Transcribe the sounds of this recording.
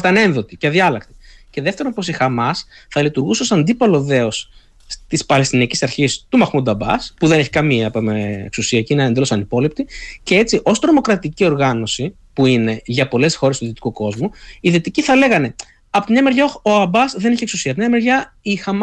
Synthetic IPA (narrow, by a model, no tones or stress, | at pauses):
t̪ɐne̞nðo̞t̪iceðiɐlɐk̚t̪i̥ce̞ðe̞ft̪eɾonpo̞s̬ixɐmɐsθɐlit̪uɾɣuseosɐnd̪ipɐlo̞ðe̞o̞s | t̪ispɐlest̪iniɐcisɐɾçist̪umɐxmud̪ɐbɐ̰spuðe̞ne̞çi̥kɐmiɐpḛksusiɐceineɐnd̪elo̞sɐnipo̞lip̚t̪ice̞e̞t͡siʔo̞st̪ɾo̞mo̞kɾɐt̪icio̞ɾɣɐno̞si | puine̞ʝɐpo̞le̞sxo̞ɾet̪uðit̪i̥kuko̞zmuiðit̪iciθɐle̞ɣɐne̞ | ɐpot̪imɲɐme̞ɾʝɐooɐbɐsðe̞neçieksusiɐpt̪mɲɐme̞ɾʝɐ | ixɐm